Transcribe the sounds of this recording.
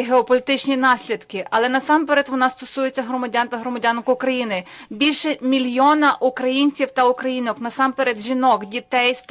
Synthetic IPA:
ɦeɔpɔlʲit̪ɪt͡ʃnʲinɑsʲlʲid̪kɪʔɐlˠɛnɐsɑmpeɾɛt̪ʋɔnɑst̪ɔsujet͡sʲːɐɦɾɔmɐdʲɑnt̪ɐɦɾɔmɐdʲɑnkʊʊkɾɐjinɪbʲilʲʃɛmʲilʲjɔnɐʔukɾɐjinʲt͡sʲiwt̪ɐʊkɾɐjinɔknɐsɑmpeɾɛd̪ʒʲinɔkdʲit̪ɛjs

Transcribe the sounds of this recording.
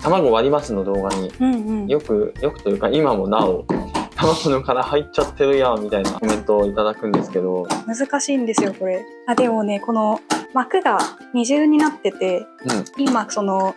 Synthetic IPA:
t̪ʰamaɡo̞βaɾʲimasɨno̞d̪o̞ːɡaɲ̟iɯ̟̃ɴɯ̃ɴɴjo̞kɯ̟jo̞kɯ̟̥t̪o̞jɯ̟ːkaimamo̞naot̪amaɡonokaɾahait͡ɕːat̪ʰːe̞ɾɯ̟jamʲit̪aina̰omẽ̞nt̪o̞ːit̪ad̪akɯ̟̃nd̪e̞sɨ̥ke̞d̪o̞mɯ̟zɨkaɕĩːnd̪e̞sɨjo̞ko̞ɾe̞ | ad̪e̞mo̞ne̞ko̞no̞makɯ̟ɡa | ɲ̟iʑɨːɲ̟inat̪ːe̞t̪e̞ɯ̃ɴimaso̞no̞

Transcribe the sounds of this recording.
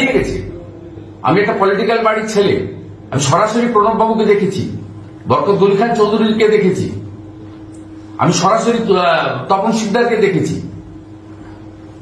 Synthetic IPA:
ijeɡet͡ɕʰḛ | a̰miɛk̚ʈapɔliʈikalbaɽit͡ɕʰelḛ | a̰miʃɔɾaʃoɾipɾonambʱabuked̪ekʰet͡ɕʰḭ | bɔɾkot̪̚ɡoɾikʰant͡ɕowd̪ʱuɾiɾked̪ekʰet͡ɕʰḭ | a̰miʃɔɾaʃoɾit̪ɔponʃik̚d̪ʱaɾked̪ekʰet͡ɕʰḭ

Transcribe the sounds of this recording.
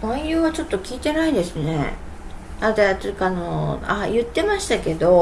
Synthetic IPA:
õɰ̃jɯːβat͡ɕo̞t̪ːo̞kʲiːt̪e̞naid̪e̞sɨne̞̰ | ad̪at̪okaːno̞a̰jɯ̟t̪ːe̞maɕi̥t̪ake̞d̪o̞

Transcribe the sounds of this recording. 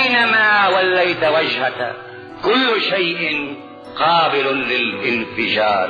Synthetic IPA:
namaːwalːajt̪wad͡ʒha | kʊlːʊʃajʔɪn | qɑːbɪlʊlɪlʔɪnfɪʃɑːɾ

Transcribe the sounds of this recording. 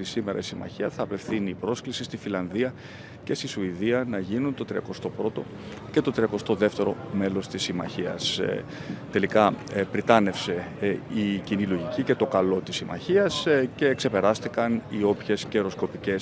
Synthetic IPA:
isime̞ɾʔɐ̰isimɐ̰çiɐθɐːpe̞fθiniːpɾo̞sklisist̪ifilɐnðiɐ | ce̞st̪isuiðiɐnɐʝinunt̪o̞t̪ɾiɐkost̪o̞pɾo̞t̪o̞ | ce̞t̪o̞t̪ɾiɐko̞st̪o̞ðe̞ft̪e̞ɾo̞me̞lo̞st̪isimɐ̰çiɐ̰s | t̪e̞likɐpɾit̪ɐne̞fse̞ | icinilo̞ʝicice̞t̪o̞kɐlo̞t̪isimɐ̰çiɐsce̞ːkse̞pe̞ɾɐst̪ikɐnio̞pçe̞sceɾo̞sko̞pice̞s

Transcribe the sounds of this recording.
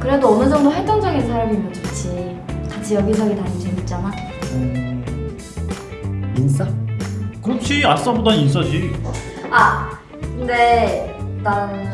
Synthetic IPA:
kɯɾe̞doʌnɯd͡ʑʌŋdoɸɦet͈ʌŋd͡ʑaɡinsʰaɾamimʌd͡ʑʰit͡ɕʰi | kat͡ɕʰijʌɡisʰʌɡitand͡ʑʰiit͡ɕ͈aman | ɯ | ins͈akɯɾʌt͡ɕʰias͈ʌbodanins͈ʌd͡ʑi | a | kɯnde | t͈an

